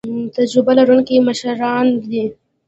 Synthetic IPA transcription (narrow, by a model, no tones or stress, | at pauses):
t̪ad͡ʒɾɪbalaɾunkimaʃaɾɑːnd̪i